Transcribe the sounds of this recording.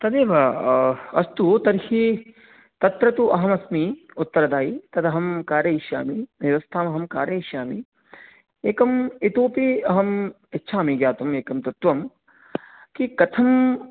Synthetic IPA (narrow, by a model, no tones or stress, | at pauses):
t̪ɐd̪eːʋɐ | ɐst̪ut̪ɐɾhi | t̪ɐt̪ɾɐt̪uʔɐɦɐmɐsmiʊt̪ːɐɾɐd̪aːit̪ɐd̪ɐɦɐmkaːɾjɐiʃja̰ːmiʋjɐʋɐst̪ʰaːmɐɦɐmkaːɾjɐiʃjaːmi | eːkɐmit̪oːpiɐɦɐm | ɪtːʃʰaːmiɡjaːt̪umeːkɐmt̪ɐt̪ʋɐm | kikɐt̪ʰɐm